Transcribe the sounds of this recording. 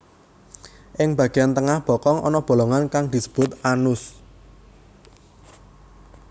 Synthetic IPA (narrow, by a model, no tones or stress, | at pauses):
ʔɪŋb̥ä̤ɡ̥ejant̪əŋahb̥ɔ̤kɔŋʔɔ̰nɔb̥o̤lɔŋankaŋd̪̥isə̥b̥ʊt̪anʊs